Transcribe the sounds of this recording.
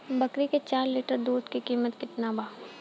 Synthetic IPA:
bɐkɾiket͡ʃaːɾliːʈəɾd̪uːd̪kikiːmət̪kɪt̪nabʱaː

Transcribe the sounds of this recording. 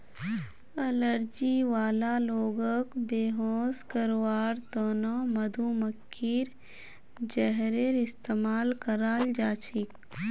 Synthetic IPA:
ɐləɾd͡ʒiʋaːlaloːɡəkbeːɦoːskəɾwaːɾt̪oːnomɐd̪ʱuməkːiɾ | d͡ʒəɦɾeɾɪst̪eːmaːlkəɾaːld͡ʒaːt͡ʃʰɪk

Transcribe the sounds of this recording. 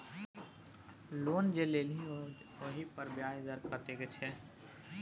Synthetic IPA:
loːnd͡ʒeleːlĩ | oɦipəɾbjaːjzəɾkəɾt̪eɡet͡ʃʰɛː

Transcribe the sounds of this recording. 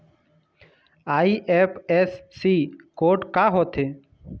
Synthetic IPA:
aːiːʔeːpʰesːiːkoːʈkaːɦoːt̪ʰeː

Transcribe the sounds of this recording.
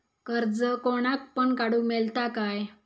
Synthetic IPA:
kəɾd͡zəkoɽ̃ak̪̚pəɳkaɽumɛlt̪akaj

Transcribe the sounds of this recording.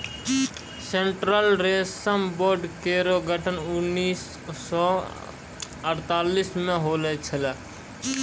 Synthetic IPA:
seɳʈɾəlɾessəmboːɾɖkeɾoɡʱəʈʰənʊnːiːs | ɔ | əɾt̪aːlismẽɦoːlət͡ʃʰəla

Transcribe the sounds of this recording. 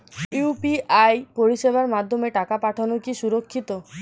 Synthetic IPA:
upiajpoɾiʃebaɾmad̪ʱːomeʈakapaʈʰonokiʃuɾokʰːit̪o

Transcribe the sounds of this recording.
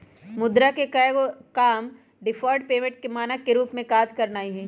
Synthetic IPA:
mʊd̪ɾakekaɡokaːm | ɖɪfʰɔːɾɖpeːmẽɳʈ̚kemaːnakeɾuːpmẽkaːd͡ʒkɐɾnaːiɦɛ̃ː

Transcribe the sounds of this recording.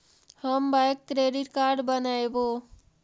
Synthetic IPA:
həmbajkːɾeɖiʈkaɾɖbənaebo

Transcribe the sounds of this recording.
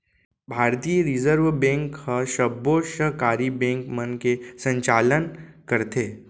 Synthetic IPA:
bʱaːɾt̪ijəɾɪzəɾʋbɛ̃ːŋkhəʃəbːoːʃəɦkaːɾibɛ̃ːŋkmənkesə̃ɲt͡ʃaːlənkəɾt̪eː

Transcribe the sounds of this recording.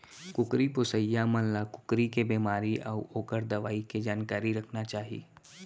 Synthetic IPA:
kʊkɾipʊsəjːamənlakʊ̥kɾikebeːmaːɾiʔɔ̰ːɾoːkəɾd̪ɐʋaːiked͡ʒaːnkaːɾiɾɐkʰnat͡ʃaːɦḭː

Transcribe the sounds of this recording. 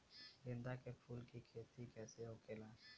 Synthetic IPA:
lɪ̃nd̪akepʰuːlkikʰeːt̪ikɛːseokelaː

